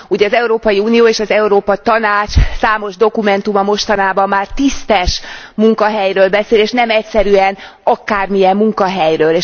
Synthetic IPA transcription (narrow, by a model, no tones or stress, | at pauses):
uɟɛɒzɛuɾoːpɒjiuːnijoːeːʃɒzɛuɾoːpɒt̪ɒnaːt͡ʃsaːmo̞ʒd̪o̞kumɛnt̪umɒmo̞ʃt̪ɒnaːbɒmːaːrt̪ist̪ɛʃmuŋkɒɦɛjɾøːlbɛseːleːʃnɛmɛcsɛɾyɛn | ɒkaːrmijɛmːuŋkɒɦɛjrøːleːʃ